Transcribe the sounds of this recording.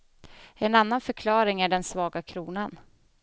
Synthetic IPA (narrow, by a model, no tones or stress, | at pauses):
ɛnanːanfœɾkʰlɑːɾɪŋæɖɛnsvɑːɡakʰɾuːnan